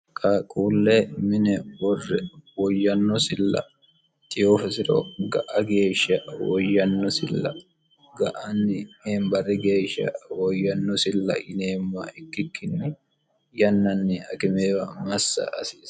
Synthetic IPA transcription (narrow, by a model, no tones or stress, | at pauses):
kʼaːkʼuːlːeːmɪnɛwɔrːɛwɔjːɐnːɔsɪlːɐ̰ | t̪ɪjofɐsɪɾɔ̰ɡɐʔɐɡe̞ːʃɐwɔjːɐnːɔsɪlːɐ̰ | ɡɐʔanːɪeːmbɐrːɛɡe̞ːʃɐ̰wɔjːɐnːɔsɪlːɐ̰ʔɪneːmːaɪkːɪkʰːɪnːɪ | jɐnːɐnːɪɐkɪmeːwɐmɐsːɐ̰ːsɪːs